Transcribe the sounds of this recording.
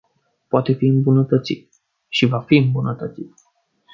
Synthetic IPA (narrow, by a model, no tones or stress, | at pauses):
poat̪efiɨmbunət̪ət͡sit̪̚ | ʃivafiɨmbunət̪ət͡sit̪̚